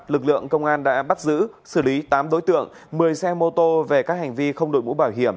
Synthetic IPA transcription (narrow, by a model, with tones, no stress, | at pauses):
lɨ˨˩k̚lɨ̰˧˨əŋkə˧wŋ͡mʔaː˧nɗa̰ː˧˥ɓa˦˥t̚zɨ̰˧˥sɨ˧˩li˨˦t̪aː˨˦mɗo˨˦jt̪ɨ̰˧˨əŋ | mɨ˨˩əjsɛ˧mo˧t̪o˧ve˨˩kaː˦˥k̚ha˨˩jŋ̟vi˧xə˧wŋ͡mɗo̰˨˩j̚mṵ˧˥ɓaː˧˩wɦi˧˩əm